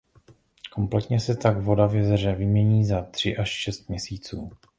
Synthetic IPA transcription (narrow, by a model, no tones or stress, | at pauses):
ko̞mplɛt̪ɲɛsɛt̪aɡvo̞davjɛzɛrɛvɪmɲɛɲiːzat̪r̝̥ɪʔaʃʃɛst̪̚mɲɛsiːt͡suː